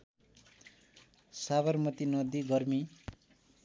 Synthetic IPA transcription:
saβʌrmʌt̪inʌd̪iɡʌrmi

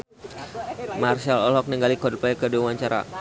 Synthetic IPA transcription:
marsalɔlɔk̚niŋɡalikɔdpajkəduawaɲt͡ʃaɾa̰

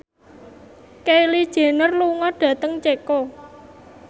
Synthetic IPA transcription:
keilid̥ʒ̥e̤nərluŋɔɖ̥ä̤t̪əŋt͡ʃeko

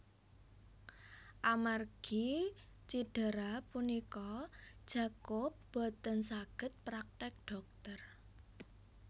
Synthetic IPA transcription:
ʔamarɡ̥i | t͡ʃiɖ̥ə̤ɾapunikɔd̥ʒ̥a̤kop̚b̥o̤t̪ənsaɡ̥ə̤t̪̚pɾak̚t̪ɛk̪̚ɖ̥ɔ̤k̚t̪ər

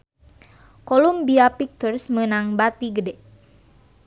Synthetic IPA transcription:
kolumbiapik̚t̪ərsmənaŋbat̪iɡədɛ

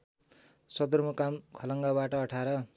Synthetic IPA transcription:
sʌd̪ʌrmʌkamkʰʌlʌŋɡabaʈʌʌʈʰaɾʌ

